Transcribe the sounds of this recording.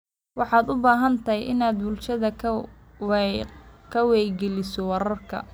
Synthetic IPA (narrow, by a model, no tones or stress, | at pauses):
wɑħɑːd̪ʊbaːɦɐnt̪ʰɐɦjʔɪnaːd̪bʊlʃɐðɐ | kʰɐwɛjɡɛlɪsɔwɑɾɐrkʰɐ̰